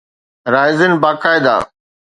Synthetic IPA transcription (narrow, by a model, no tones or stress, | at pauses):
ɾaːɪzɪnbaːkaːɪd̪a̰ː